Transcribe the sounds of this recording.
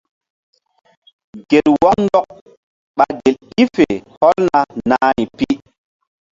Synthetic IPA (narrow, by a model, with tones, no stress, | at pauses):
ɡ̥e˨lwɔ˦kn˦dɔ˦k̚ | ɓa˨ɡe˨li˦fe˨hɔ˦lna˨naː˦i˨pi˦